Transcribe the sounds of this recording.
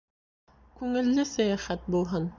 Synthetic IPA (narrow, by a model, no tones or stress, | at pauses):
kʉŋɘ̆lːɘsæjæχæt̪̚bulˠɦɤn